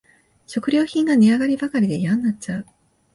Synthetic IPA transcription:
ɕo̞kɯ̟ɾʲo̞ːçĩŋɡaɲ̟ʲiaɡaɾʲibakaɾʲid̪e̞ijãnːat͡ɕaɯ

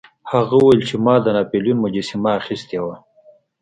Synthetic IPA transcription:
haɣauwjlt͡ʃʰemɑːd̪ənapeljunmud͡ʒisimaːxist̪jawa

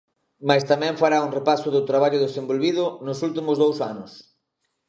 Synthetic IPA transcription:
majst̪amɛ̃ɱfaɾauŋrepasʊðʊt̪ɾaβ̞aʎʊðesembolβið̞ʊnʊsult̪imʊzðowsa̰nʊs

